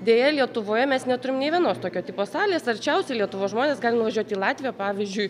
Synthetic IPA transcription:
d̪ʲeːjɛlʲiɛt̪ʊʋoːjɛmʲɛsnʲɛt̪ʊɾʲɪmnʲeɪʋʲiɛnoːst̪oːkʲoːt̪ʲiːpoːsɑːlʲeːsɐrʲt͡ʃʲɛʊsʲɛɪlʲiɛt̪ʊʋoːsʒmoːnʲeːsɡɑːlʲɪnʊʋɐʒʲuɔt̪ʲiːlˠɑːt̪ʲʋʲɪjoːpɑːʋʲɪzʲd͡ʒʲʊɪ

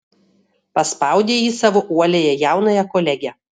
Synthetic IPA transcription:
pɐspɑˑʊd̪ʲeːjiːsɑːʋoʔuɔlʲeːjɛjæˑʊnɐjɛkɔlʲɛɡʲɛ

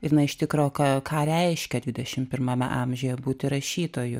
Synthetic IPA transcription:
ɪɾnɐɪʃt̪ʲɪkɾoːkɐkʰɑːɾʲɛɪʃʲkʲɛdʲʋʲɪd̪ʲɛʃʲɪmpʲɪrmɐmʲɛ̰ʔɑːmʲʒʲoːjɛbuːt̪ʲɪɾɐʃʲiːt̪oːjʊ

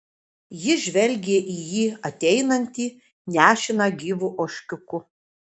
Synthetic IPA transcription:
jɪʒʲʋʲɛlʲɡʲeːʔijiːɐt̪ʲɛɪnɐnʲt̪ʲiː | nʲæːʃʲɪnɐɡʲiːʋuːʔoːʃʲkʲʊkʊ

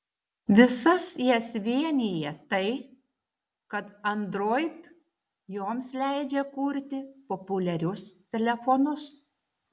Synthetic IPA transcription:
ʋʲɪsɐsjɛsʋʲiɛnʲijɛt̪ɐɪ | kɐt̪ɐnd̪ɾoːɪt̪ | joːmslʲæɪd͡ʒʲɛkuːɾʲt̪ʲɪpopʊlʲɛɾʲʊst̪ʲɛlʲɛfɔnʊs

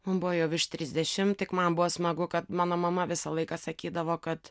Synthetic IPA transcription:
mʊnbʊʋoːjɛʊʋɪʃt̪ʲɾʲɪzʲd̪ʲɛʃʲɪmt̪ʲɪkmɐnbʊʋoːsmɐɡʊkɐt̪mɑːnoːmɐmɐʋʲɪsɐlˠɐɪkɑsɐkʲiːd̪ɐʋoːkɐt̪

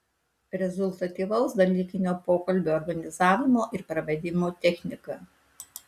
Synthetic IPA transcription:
ɾʲɛzʊlˠʲt̪ɐt̪ʲiːʋɐʊsd̪ɐlʲiːkʲɪnʲoːpoːkɐlʲbʲoːɔɾɡɐnʲɪzɑːʋʲɪmoːʔɪɾpɾɐʋʲɛd̪ʲɪmoːt̪ʲɛxʲnʲɪkɐ

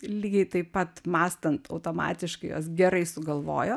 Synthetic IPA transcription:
lʲiːɡʲɛɪt̪ɐɪpɐt̪mɑːst̪ɐnt̪ɐʊt̪oːmɑ̰ːt̪ʲɪʃkɐɪjo̰ːsɡʲɛɾɐɪsʊɡɐlˠʋo̰ːjoː

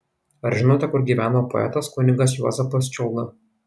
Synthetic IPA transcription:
ɐɾʒʲɪnoːt̪ʲɛkʊɾɡʲiːʋʲæːnoːpɔ̰ɛ̰t̪ɐskʊnʲɪɡɐs̬juɔ̰zʲɛpɐst͡ʃʲɛʊlˠɐ

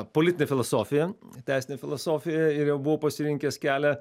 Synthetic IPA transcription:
polʲɪt̪ʲɪnʲefʲɪlˠɐsoːfʲɪjɛt̪ʲæˑɪsʲɪnʲefʲɪlˠɐsoːfʲɪjɛɪɾjɛʊbʊʋoːpɐsʲɪɾʲɪŋʲkʲɛskʲæːlʲɛ

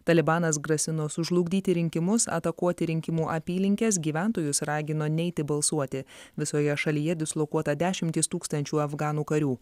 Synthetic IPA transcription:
t̪ɐlʲɪbɑːnɐs̬ɡɾɐsʲɪnoːsʊʒlˠʊɡʲd̪ʲiːt̪ʲɪɾʲɪŋʲkʲɪmʊsɐ̰t̪ɐkuɔt̪ʲɪɾʲɪŋʲkʲɪmuːʔɐpʲiːlʲɪŋʲkʲɛs̬ɡʲiːʋʲæˑnt̪oːjʊsɾɑːɡʲɪnoːnʲɛɪt̪ʲɪbɐlˠsuɔt̪ʲɪʋʲɪsoːjɛʃɐlʲiːjɛd̪ʲɪslˠokuɔt̪ɐd̪ʲæːʃʲɪmʲt̪ʲɪst̪uːkst̪ɐnʲt͡ʃʲuːɐfɡɑːnuːkɐɾʲuː

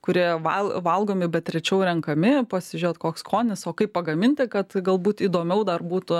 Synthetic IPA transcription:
kʊɾʲiɛʋɐlˠʋɐlˠɡoːmʲɪbʲɛt̪tʲɾʲɛt͡ʃʲɛʊɾʲɛŋkɐmʲɪpɐsʲɪʒʲoːt̪koːkskʰoːnʲɪsoːkɐɪppːpɐɡɐmʲɪnʲt̪ʲɪkɐt̪ɡɐlˠbuːt̪iːd̪oːmʲɛʊd̪ɐrbuːt̪ʊ

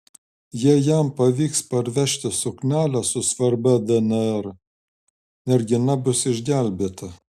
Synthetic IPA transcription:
jiɛjæmpɐʋʲiːkspɐɾʲʋʲɛʃʲt̪ʲɪsʊknʲæːlʲæsʊsʋɐɾbʲɛd̪ɛnʲɛɾ | nʲɛɾɡʲɪnɐbʊsɪʒʲɡʲæˑlʲbʲeːt̪ɐ

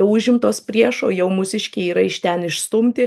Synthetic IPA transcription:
ɛʊʊʒʲɪmt̪oːspʲrʲiɛʃoːjɛʊmʊsʲɪʃʲkʲeiːɾɐɪʃʲt̪ʲɛnɪʃst̪ʊmʲt̪ʲɪ

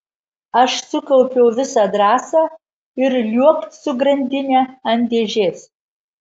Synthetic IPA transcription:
ɐʃsʊkɐlpʲɛwʋʲɪsɐdɾɑːsɐ | ɪrlʲuɔkt̪sʊɡɾɐnʲd̪ʲɪnʲɛɐnʲd̪ʲeːʒʲeːs

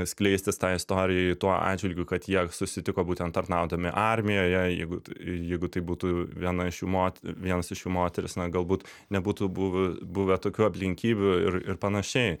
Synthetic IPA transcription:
sʲklʲɛɪsʲt̪ʲɪst̪ɑːɪst̪oːɾʲɪjɛɪt̪uɔɑ̰ːd͡ʒʲʋʲɪlʲɡʲʊkɐt̪jiɛsʊsʲɪt̪ʲɪkoːbuːt̪ʲɛnt̪ɐrnɑʊd̪ɐmʲɪʔɑɾʲmʲɪjoːjɛjɛ̰ɪɡʊjɛɪɡʊt̪ɐɪbuːt̪uːʋʲiɛnɐɪʃjuːmoːt̪ʲʋʲiɛnɐsɪʃjuːmoːt̪ʲɛɾʲɪsnɐɡɐlˠbuːt̪ | nʲɛbuːt̪ubuʋʊbuːʋʲɛt̪oːkʲuːɐpʲlʲɪŋʲkʲiːbʲʊɪrɪrpɐnɐʃʲɛɪ

